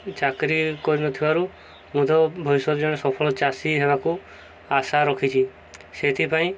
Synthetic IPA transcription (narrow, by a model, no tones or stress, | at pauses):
t͡ʃakɾikɔɾinɔt̪ʰibaɾu | mud̪ɔbʱɔjsɔɾd͡ʒɔɽ̃esɔpʰɔɭɔt͡ʃasiɦebaku | asaɾɔkʰit͡ʃʰi | set̪ʰipaĩ